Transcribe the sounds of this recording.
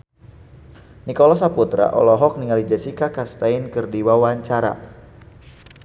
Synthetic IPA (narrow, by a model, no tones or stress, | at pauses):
nikɔlɔs̬aput̪ɾa̰ʔɔ̰lɔɦɔk̚niŋalid͡ʒasikakast̪ainkɨrdiwawaɲt͡ʃaɾa̰